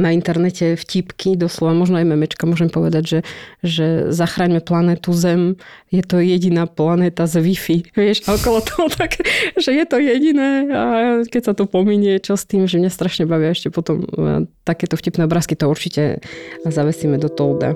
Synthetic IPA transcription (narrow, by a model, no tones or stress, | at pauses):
naint̪ɛɾnɛcɛfcipkid̪ɔslɔʋamɔʒnɔajmɛmɛt͡ʃkamʊɔʒɛmpɔʋɛd̪aɟʒɛʒɛzaxɾaːɲmɛplanɛːt̪uzɛm | jɛt̪ɔjɛɟinaːplanɛːt̪azʋifiʋɪɛʃaɔkɔlɔt̪ɔɦɔt̪ʰakʒɛjɛt̪ɔjɛɟinɛːakɛcsat̪ɔpɔmiɲɛt͡ʃɔst̪iːmʒɛmɲast̪ɾaʃɲɛbaʋiaɛʃcɛpɔt̪ɔmt̪akɛːt̪ɔfcipnɛɔbɾaːskit̪ɔuɾt͡ʃicɛ̰zaʋɛsimɛd̪ɔt̪ɔld̪a̰